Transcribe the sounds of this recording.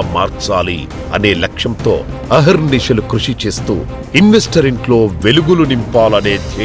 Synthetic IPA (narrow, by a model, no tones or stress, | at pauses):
ma̰ːɾt͡ʃaːlḭ | ɐ̰ne̞ːlɐkʂɐmt̪o̞̰ːɐɦɐɾniʃɐlukɾuʂit͡ʃe̞ːst̪ṵː | inʋe̞sʈɐɾiɳʈlo̞ːʋe̞luɡulunimpaːlɐne̞ːd̪ʱɐ